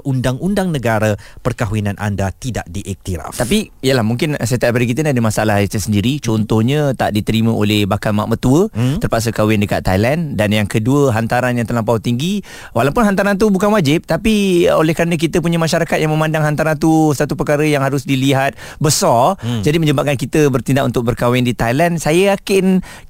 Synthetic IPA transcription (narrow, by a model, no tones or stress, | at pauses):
ʔundaŋundaŋnəɡaɾapərkaɦwinãnʔa̰ndat̪ida̰ʔdiʔik̚t̪iɾa̰ft̪apiijəlahmuŋkɪnsat̪aʔpadək̬it̪əniadəmasaalahit̪əsəndiɾit͡ʃɔnt̪ɔhɲə̃t̪a̰ʔdit̪əɾimə̃ʔolɛhbakalmaʔmət̪uətt̪ərpaʔs̬əkawɪndəka̰t̪ːajlandanjaŋkəduəɦant̪aɾanjãŋt̪ərlampawt̪iŋɡi | walawpʊnɦant̪̬aɾant̪̬ubukanwad͡ʒɪp̚t̪apiolɛhkəɾanə̃k̬it̪əpuɲəmaʃaɾakat̪̚jaŋmə̃mãndaŋɦant̪aɾant̪usat̪upəkaɾəjaŋɦaɾʊsdiliɦat̪̚ | bəsɔrd͡ʒadimə̃ɲəbap̚kankit̪əbərt̪indaʔunt̪ʊk̚bərkawɪndit̪ajlansajəakɪn